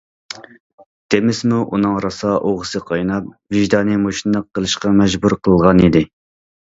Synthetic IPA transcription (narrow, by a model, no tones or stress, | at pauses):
d̪̥emɪsmuʔunɨŋɾɑsɑʔoʁəsɨqʰɑjnɑp̚vɪʒd̪ɑːnɨmoʃinləqːəlˠɨʃqɑmɛʒbuɾqʰəlˠɨlˠʁɑnid̪ɪ